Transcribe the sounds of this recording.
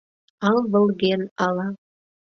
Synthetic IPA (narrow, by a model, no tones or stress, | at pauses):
ɑlβə̆lˠɣenɑlɑ